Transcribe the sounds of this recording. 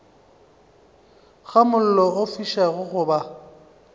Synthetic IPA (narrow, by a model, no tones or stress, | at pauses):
ɣamʊl̩lɔofiʃaɣʊɣʊba